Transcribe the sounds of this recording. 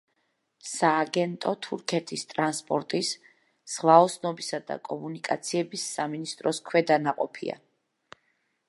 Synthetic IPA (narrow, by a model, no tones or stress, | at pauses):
saːɡɛnt̪ʼɔt̪ʰuɾkʰɛt̪ʰist̪ʼɾanspʼɔɾt̪ʼis | z̥ʁvaɔsʰnɔbisad̪a̰kʼɔmunikʼat̪sʰiɛbisːaminist̪ʼɾɔskʰwɛd̪anaqʼɔpʰḭa̰